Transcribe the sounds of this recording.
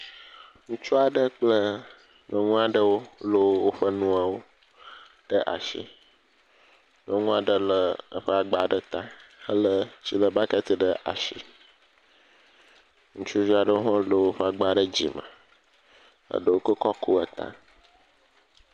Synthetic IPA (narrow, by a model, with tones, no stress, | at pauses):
ŋũ˦t͡ʃu˦a˨ɖə˦k͡plə˦ | ɲɔ̃˨ŋũ˦a˨ɖə˦wo˦lə˦wwo˦ɸə˦nũ˦a˨wo˦ | ɖ̥ə˦ʔa̰˨ʃḭ˦ | n˨ɔ̃˦ŋũ˦a˨ɖə˦lə˦ə˦ɸə˦a˨ɡ͡ba˨ɖə˦t̪ã˦ə˦lə˦t͡ɕi˦lə˨ba˦ka˦t̪ə˨ɖə˦ʔa̰˨ʃḭ˨ | ŋũ˦t͡ʃu˦vi˦a˨ɖə˦o˦ɦɔ̃˦lo˨wo˦ɸə˦a˨ɡ͡ba˨ɖə˦d͡ʑḭ˨mə̰̃˨ | ə̰˨ɖə˨wo˦kə˦kɔ˦ku˦ə˨t̪ã̰˦